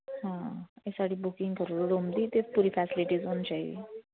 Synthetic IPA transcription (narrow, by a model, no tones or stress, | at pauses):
ɦãjesaʈiːbukĩŋɡkəɾuɾuɽomd̪iːt̪epuɾiːfæsiliʈiːd͡zont͡ɕaɦḭ